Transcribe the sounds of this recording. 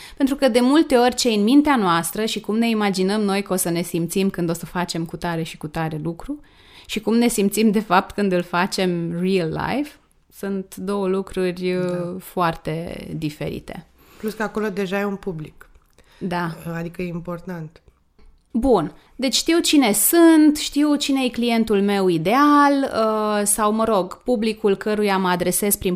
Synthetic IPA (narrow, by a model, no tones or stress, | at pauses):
pent̪ɾukəd̪e̞mult̪e̞o̞rʲt͡ʃeɨnmint̪eanoast̪ɾəʃikumne̞imad͡ʒinəmno̞jkəo̞səne̞simpt̪simkɨnd̪o̞səfat͡ʃe̞mkut̪aɾe̞ʃikut̪aɾe̞lukɾu | ʃikumne̞simpt̪simd̪e̞fap̚t̪kɨnd̪ɨlfat͡ʃe̞mrilːa̰jf | sunt̪d̪o̞wəlukɾurʲfoart̪e̞d̪ife̞̰ɾḭt̪e̞̰ | pluskəako̞lo̞d̪e̞ʒajeunpublik | d̪aad̪ikəjeimpo̞rt̪ant̪ | bun | d̪e̞t͡ʃʲʃt̪iwt͡ʃine̞sɨnt̪ʃt̪iwt͡ʃine̞jeklije̞nt̪ulme̞wid̪e̞aləsawməɾo̞ɡpublikulkəɾujaməad̪ɾe̞se̞spɾin